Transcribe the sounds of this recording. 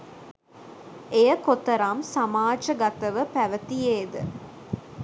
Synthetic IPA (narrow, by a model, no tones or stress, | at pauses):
ejəkot̪əɾamsamaːd͡ʒəɡat̪əʋəpæʋət̪ijeːd̪ə